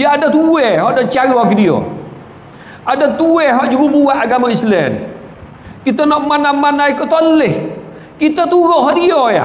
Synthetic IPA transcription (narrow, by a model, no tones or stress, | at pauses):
jaadat̪uwɛɦɔʔdaʔt͡ʃaɾakidio̰ | ʔadat̪uɛɦɔʔd͡ʒuɾubuaʔaɡamaislɛn | kit̪anɔʔmanamanaikət̪ɔlːɛh | kit̪at̪uɾɔʔɦɔʔdioja̰